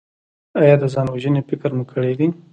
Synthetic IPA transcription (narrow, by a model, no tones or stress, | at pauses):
ɑjɑd̪əzɑnwaʒənefɪkɾmukʰəɽed̪i